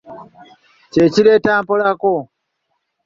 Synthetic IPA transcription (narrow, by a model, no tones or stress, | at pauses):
ceciɾe̞taːmpolako